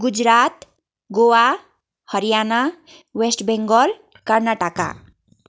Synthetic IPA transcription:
ɡud͡ʒɾat̪ | ɡowa | həɾijana | wesʈbeŋɡɔl | kəɾnaʈaka̰

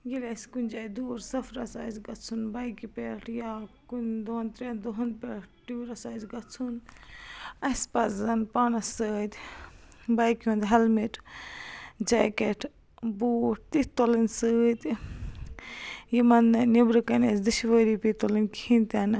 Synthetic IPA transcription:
ɡilʲɐskunʲd͡ʒaːjd̪uːɾsɐfɾɐsa̰ːzɡɐt͡sʰunbɐjkipʲeʈʰjakund̪ont̪ɾend̪oɦnpʲeʈʈuːɾɐsaːzɡɐt͡sʰun | ɐspɐzzɐnpaːnɐsəːt̪ʲ | bɐjkjũːnd̪ɦɐlmiʈ | d͡ʒa̰ːkeʈ | buːʈ̚t̪it̪olinsəːt̪ | jimɐnnibɾɨkɐnesd̪ɨʃʋəːɾipit̪olinkhĩnt̪ɐn

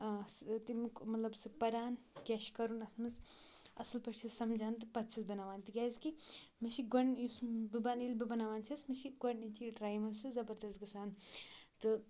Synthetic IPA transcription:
st̪imkmɐt̪lɐbsɨpɐɾaːn | kʲeʃkɐɾunɐsmɨsɐsɨlpɐt͡ʃʰisɐmd͡ʒʱaːnt̪ɨpɐt̪t͡ʃʰisbɐnaːʋaːnt̪iɡʲaːzkimɐʃiɡɐnjusbibɐnilbibɐnaːʋaːnt͡ʃʰismɐʃiɡɐnit͡ʃiʈɾaːjmɐzsɨzɐbɐɾd̪ɐst̪ɡɨsaːnt̪ɨ

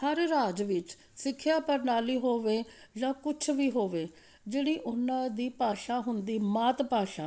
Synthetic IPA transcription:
həɾɾaːd͡ʒʋɪt͡ʃ | sɪkʰːjaːpəɾnaːliːɦoːʋeːd͡ʒãːkʊt͡ʃʰʋiːɦoːʋeː | d͡ʒeːɽiːʔʊnãːd̪iːpaːʃaːɦʊnd̪iːmaːt̪paːʃaː

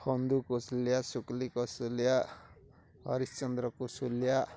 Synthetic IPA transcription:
hʌnd̪ukosljasuklikosulja | ɦʌ̰ɾist͡sʌnd̪ɾʌkosulja

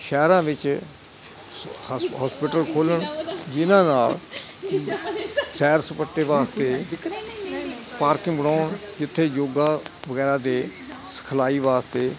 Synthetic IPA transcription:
ʃɛːɾãːʋɪt͡ʃ | ɦɔːspɪʈəlkʰoːləɳd͡ʒɪnãːnaːl | sɛːɾsəpəʈːeːʋaːst̪eː | paːɾkɪ̃ŋbəɽaːɳd͡ʒɪt̪ʰːeːjoːɡaːʋəɡɛːɾãːd̪eː | sə̥kʰəlaːiːʋaːst̪eː

